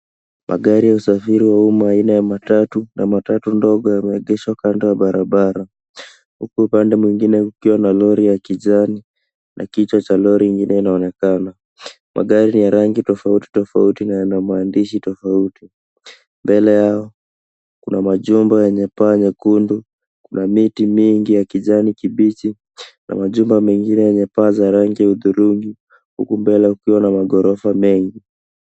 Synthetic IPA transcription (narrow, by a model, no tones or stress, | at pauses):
mʔa̰ɠaɾijausafiɾiwaumaːinajamatatunamatatundɔɠɔjamɛɛɠɛʃakandɔjaɓaɾaɓaɾa | hukuupandɛmwiŋɡinɛkukiwanalɔɾijakiʄani | nʔa̰kit͡ʃat͡ʃalɔɾiːŋɡinɛinaɔnɛkana | mʔa̰ɠaɾinijaɾaŋɡitɔfauti̥tɔfautinajanamwandiʃitɔfauti | mbɛlɛjaɔ | kunamaʄumbajɛɲɛpaːɲɛkundu | kunamitimiŋɡijakiʄanikiɓit͡ʃi | na̰maʄumbamɛŋɡinɛjɛɲɛpaːzaɾaŋɡiauðuɾuŋɡi | hṵkumbɛlɛaukiwanamaɠɔɾɔfamɛŋɡi